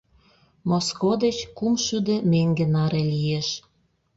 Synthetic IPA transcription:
moskod̪et͡ɕkumʃyd̪ĕmeŋɡenɑɾelieʃ

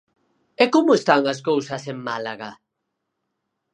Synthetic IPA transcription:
ɛkomʊest̪aŋas̬kowsɐseŋmalaɣa

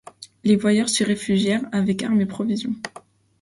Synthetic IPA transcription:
levwajœʁsəʁefyʒjɛʁavɛkaʁmepχɔvizjɔ̰̃

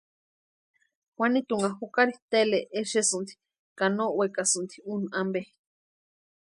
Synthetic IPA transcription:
hwanit̪uŋahukaɾiht̪eleʔːʃesɨnt̪i̥ | kanoʔwekasɨnt̪i̥unambe

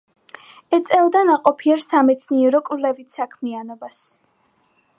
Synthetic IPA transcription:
ɛt̪sʼɛlˠd̪anaqʼɔpʰiaɾsamɛt̪sʰniɛɾɔkʼvlɛvit̪ʰsakʰmianɔbas

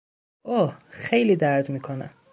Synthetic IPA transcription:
ʔohxejliːd̪æɾd̪miːkʰonæ̰m

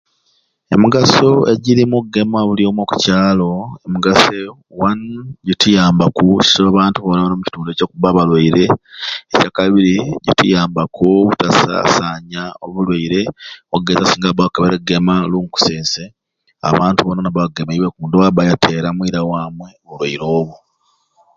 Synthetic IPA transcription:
e̞muɡaso̞e̞ɟiɾimuɡe̞maβulio̞mwoku̥caːlo̞emuɡase | wanɟitujaːmbakuci̥soβaβaːntuβonaβanomuci̥tuːndeco̞kuβaβalwaiɾe̞ːcakaβiɾiɟitṵjaːmbakoβutasa̰saːɲaoβulwaiɾe̞oɡezasiːŋɡabakaβeɾeɡe̞maluːŋku̥seːnse | a̰βaːntuβonanaβaβɡemaiβwekuːndowaβajatʰe̞ːɾamwiːɾawaːmwe̞olwaiɾo̞ːβu

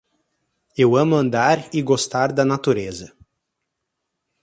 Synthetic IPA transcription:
ewɐ̃mʊɐ̃nd̪aɾɪɡost̪aɾd̪ɐnat̪uɾezɐ

